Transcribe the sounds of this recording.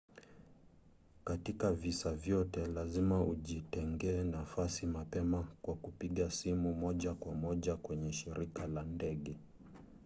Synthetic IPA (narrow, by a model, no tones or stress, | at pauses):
katikavisavjɔtɛlazimauʄitɛŋɡɛːnafasimapɛmakwakupiɠasimumɔʄakwamɔʄakwɛɲɛʃiɾʔikalandɛɠɛ